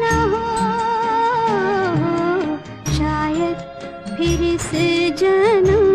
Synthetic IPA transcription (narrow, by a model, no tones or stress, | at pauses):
nɐɦoː | ɦ | ʃaːjɐd̪ | pʰɪɾɪsd͡ʒɐnɐ